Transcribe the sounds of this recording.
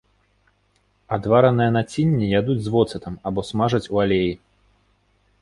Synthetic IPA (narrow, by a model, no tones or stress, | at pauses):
ad̪vaɾɐnɨjɐnat͡sʲinʲːijad̪ud͡zʲzvɔt̪sɨt̪ɐmabɔsmaʐɐt͡sʲualʲeji